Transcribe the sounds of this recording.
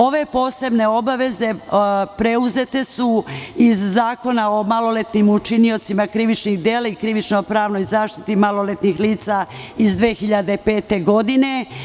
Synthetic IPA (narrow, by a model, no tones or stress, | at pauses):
o̞ʋe̞po̞ːse̞bne̞o̞baʋe̞ze̞pɾeuze̞t̪e̞suizːaːko̞nao̞malo̞let̪nimut͡ʃinio̞t̪simakɾiʋit͡ʃniɣd̪eːlaikɾiʋit͡ʃnojpɾaːʋno̞jzaːʃt̪i̥t̪imalˠo̞let̪nixliːt̪saizd̪ʋeːxiʎad̪e̞pe̞ːt̪e̞ɡo̞d̪ine̞